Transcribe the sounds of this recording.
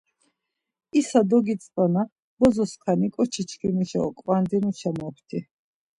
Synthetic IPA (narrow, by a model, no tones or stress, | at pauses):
isad̪ɔɡit̪t͡s̪ʼana | bɔzɔskʰanikʼɔt͡ʃʰit͡ʃʰkʰinuʃaɔ̰kʼvand̪inuʃʰamɔpʰt̪ʰi